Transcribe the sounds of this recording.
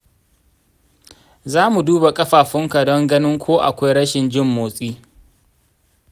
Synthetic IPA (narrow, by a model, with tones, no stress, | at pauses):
zaː˦mu˨duː˦ba˨kʼɐ˦ɸaː˨ɸɪ˦ŋka˨dɔ˦ŋɡɐ˦nɪ˦ŋkʷʰoː˦ʔa̰˨kʷa˦jɽɐ˦ʃɪ˨nd͡ʒɪ˦mːoː˨sʼiː˦